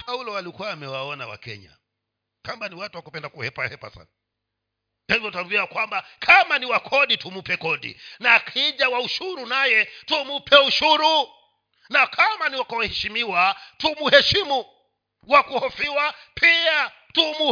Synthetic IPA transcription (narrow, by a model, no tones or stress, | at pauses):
pʰaulɔalikuaːmɛwaɔnawa̰kɛ̰ɲa̰ | kambaniwatuwakupɛndakuhɛpahɛpa̰sa̰na | pɛivɔtaɾuiwakwambakʰamaniwakʰɔɗitumupɛkɔɗḭnakʰiʄawauʃuɾunajɛtumupʰɛuʃuɾu | nakʰamaniwakɔwahɛʃimiwatumuhɛʃimu | wakuhɔfiwapia | tumu